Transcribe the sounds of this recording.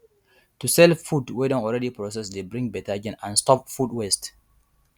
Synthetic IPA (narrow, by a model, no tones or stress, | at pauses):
tusɛlfudwedɔ̃nɔlɹɛdipɹɔs̬ɛsdebɹĩŋbɛtad͡ʒɛ̃nãnstɔpfudwɛst